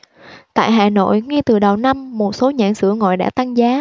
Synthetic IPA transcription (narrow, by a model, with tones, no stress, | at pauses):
t̪a̰ː˧˨jɦaː˨˩no̰˧˨jŋi˧t̪ɨ˨˩ɗə˨˩wna˧mːo˨˩t̚so˨˦ɲa̰ː˧˩˨nsɨ̰˧˩əŋɔ̰˧˨jɗa̰ː˧˥t̪a˧ŋzaː˨˦